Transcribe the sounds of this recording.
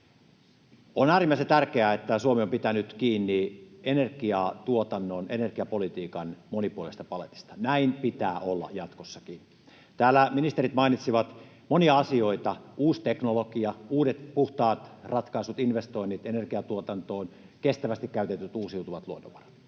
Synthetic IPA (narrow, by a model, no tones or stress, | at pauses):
onæːrimːæˑisent̪ærkeæet̪ːæsuomeompit̪ænyt̪kiːnːienerɡiɑt̪uot̪ɑnːonenerɡ̥iɑpolit̪iːkɑnmonipuolḛst̪ɑpɑlḛt̪i̥st̪ɑnæinpit̪æːʔolːɑ̰jɑt̪kosːɑki | t̪æːlːæminist̪eɾit̪mɑinit̪siʋɑt̪ | moniɑɑsioit̪ɑuːst̪eknolokiɑuːdet̪puht̪ɑːt̪rɑt̪kɑisut̪inʋest̪oinːit̪enerkiɑt̪uot̪ɑnt̪oːn | kest̪æʋæst̪ikkæyt̪et̪ːyt̪uːsiut̪uʋɑt̪luonːo̰ʋɑrɑ̥t̪